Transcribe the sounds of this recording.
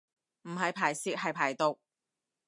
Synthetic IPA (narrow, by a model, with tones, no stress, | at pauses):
m̩˨˩ɦɐ˨˧jpʰaː˨˩jsiː˧˥k̚hɐ˨jpʰaː˨˩jt̪o˨˧w